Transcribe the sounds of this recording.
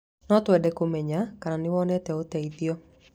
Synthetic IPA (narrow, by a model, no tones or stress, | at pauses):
nɔtwɛdɛkomɛɲakaɾanɪwɔnɛtɛotɛiðjɔ